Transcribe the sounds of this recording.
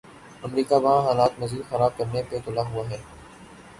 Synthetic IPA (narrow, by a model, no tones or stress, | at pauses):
ɐmɾiːkaʋɐɦãɦaːlaːt̪mɐziːd̪xɐɾaːb̚kɐɾnepet̪ʊlaɦʊaɦɛː